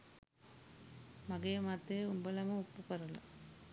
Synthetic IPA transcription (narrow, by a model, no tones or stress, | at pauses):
maɡeːmat̪ːejumbəlɐmɐupːukɐɾɐlɐ̰